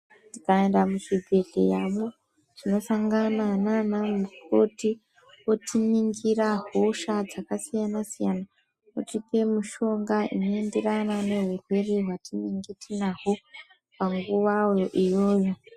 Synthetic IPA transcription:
tikae̞ndamuʃiɡʱe̞dʱe̞̰jamo | tino̞saŋɡanananamukoti | wotʰiniŋɡiɾaɦo̞ʃad͡zakasijanasijana | otipe̞muʃo̞ŋɡaḭno̞e̞nde̞ranane̞ɦwurwereɦwatiniŋɡitʰinaɦo | paŋɡuʋawo̞ʔijo̞ːjo̞

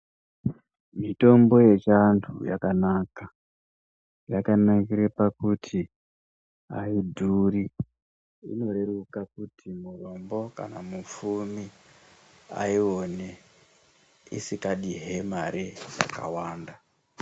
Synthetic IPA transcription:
mito̞mbo̞je̞t͡ʃantʰuja̰kanaka | jakanaŋkiɾepakutʰi | a̰idʱuri | ḭno̞ɾe̞ɾukak̚utʰimuro̞mbo̞ka̰namufumi | a̰io̞ne | ḭsikaɗiɦemaɾija̰ka̰waːnda

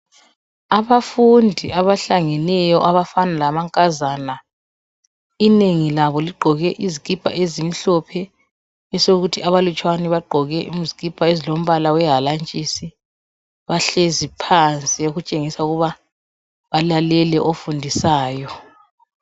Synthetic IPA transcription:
aβafundʱiaβaɬaŋɛnɛjɔʔaβafanalamaŋkʼazaːna | ineŋilaβɔliɡ͡ǃʱɔɣɛʔizikʼipʼa̰ʔezim̩ɬɔpʰɛ | ɛsoɣutʰiaβalut͡ʃʼwanɛβaɡ͡ǃʱɔɣɛʔum̩zikʼipʼaezilom̩βalawɛɦalant͡ʃʼisi | βaɬezipʰant͡sʼioɣut͡ʃʼeŋisauɣuβa | βalalɛlɛʔofundʱisaːjɔ

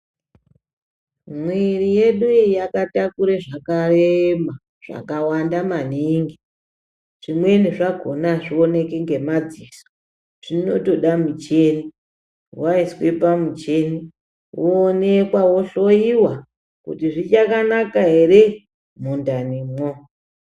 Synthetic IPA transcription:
mwirije̞ɗujakatakuɾeʐakarema | ʐ̥a̰kawandamaniŋɡi | ʐ̥imwe̞niʐaɡʱo̞naʐio̞ne̞keŋɡe̞mad͡ziso̥ | ʐ̥ino̞to̞ɗamut͡ʃeni | waiswepamut͡ʃe̞ni | woːnekwawo̞ɬo̞jiwa | kṵtiʐit͡ʃakanakaɦe̞ɾe | mundanimo

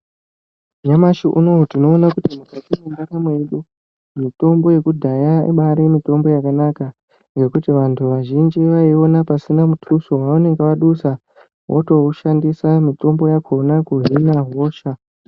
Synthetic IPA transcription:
ɲamaʃiʔuno̞utino̞ːnakutimukatimendaɾamwe̞ɗu | mito̞mbo̞je̞kudʱajaɓaɾemito̞mbo̞jakanaka | ŋɡe̞kutiʋantʰuʋaʒind͡ʒiʋaio̞napasinamutʰusowaune̞ŋɡeʋaɗusa | wʔo̰to̞uʃandisamito̞mbo̞jakʰo̞nakuɦinaɦoːʃa

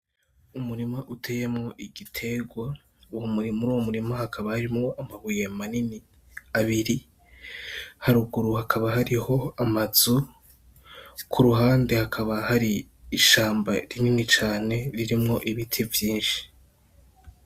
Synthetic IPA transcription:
umuɾimaʔutʰeje̞mŋo̞ʔiɡitʰe̞ɡwa | uwomuimuɾuːwomuɾimahakʰaβahaɾimŋoʔamaβuje̞manini | aβiɾi | haɾuɡuɾuhakʰaβaɦaɾiho̞amaz̥u | kʰuɾuɦaːnde̞hakʰaβahaɾiː | ʃaːmbaɾininit͡ʃaːne̞ɾiɾimŋo̞ʔiβitʰivjiːnʃi̥

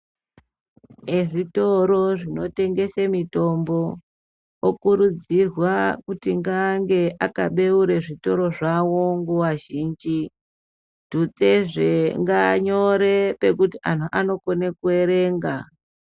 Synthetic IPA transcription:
eʐito̞ɾo̞ʐino̞te̞ŋɡe̞semito̞mbo̞ | okuɾud͡zirwakutiŋɡaŋɡe̞ʔaka̰ɓe̞uɾeʐito̞ɾo̞ʐawo̞ŋɡuwaʒiːnd͡ʒi | d̥ut͡se̞ʐeŋɡaɲo̞ɾe̞pe̞kutiʔan̤uʔano̞konekue̞ɾe̞ːŋɡa̰

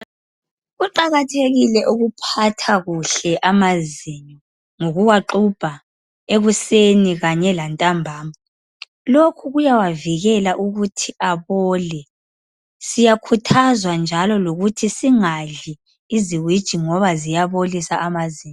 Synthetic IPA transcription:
ɣuǃaɣatʰeɣilɛʔuɣupʰatʰaɣuɬɛʔamaziɲɔ | ŋoɣuwaǃub̥ʱa | eɣuseniɣaɲɛlantʼambʱaːma | lokʰuɣujawaviɣɛlaʔuɣutʰiaβɔːlɛ | sijakʰutʰazwand͡ʒʱalɔloɣutʰisiŋaɮiː | ziwid̥ʒ̥ʱiŋɔβazijaβolisaʔːmaziːɲɔ

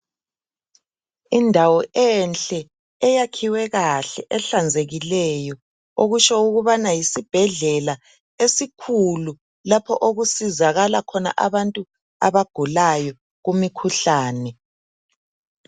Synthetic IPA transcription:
indʱawɔɛnɬʼɛː | jakʰiwɛɣaɬɛʔɛɬand͡zʱeɣilɛjɔ | oɣut͡ʃʰɔuɣuβanajisib̥ʱɛɮɛla | esikʰulu | lapʰɔʔoɣusizaɣalakʰɔna̰ʔaβantʼu | a̰βaɡ̥ʱulajɔ | ɣumikʰuɬaːnɛ

